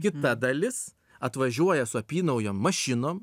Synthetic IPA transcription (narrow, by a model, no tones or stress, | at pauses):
kʲɪt̪ɐd̪ɐlʲɪs | ɐt̪ʋɐʒʲuɔjɛsʊɐpʲiːnɐʊjoːmːɐʃʲɪnoːm